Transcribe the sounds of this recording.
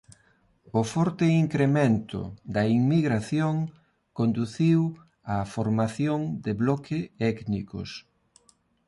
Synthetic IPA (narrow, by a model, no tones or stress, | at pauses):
ʊfɔɾt̪ɪiŋkɾemẽnt̪ʊ̰d̪ɐiŋmiɣɾaθjoŋ | kond̪uθiw | ɐfoɾmaθjoŋd̪ɪβlɔkʰɪɛknḭko̰s